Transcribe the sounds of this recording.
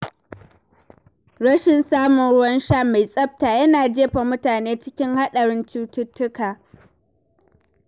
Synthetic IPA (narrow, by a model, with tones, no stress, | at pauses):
ɽɐ˦ʃɪ˨nsaː˦mʊ˨nɽʊ˦wɐ˦nʃaː˦˨ma˨jsʼɐ˦b̚taː˨jɐ˦naː˨d͡ʒeː˦ɸa˨mʊ˦taː˨neː˦t͡ʃɪ˦kʲɪ˦ŋha˦ɗɐ˨ɽɪ˦nt͡ʃuː˦tʊ˦tːʊ˦kaː˨